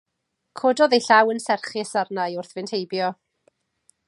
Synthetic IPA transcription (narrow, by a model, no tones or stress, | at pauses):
kʰodɔðejɬawənsɛrχɪɛsarnajʊrθv̥ɪntʰhejbjɔ